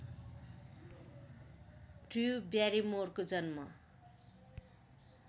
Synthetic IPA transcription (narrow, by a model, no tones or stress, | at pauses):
ʈriubjaɾimorkod͡zʌnmʌ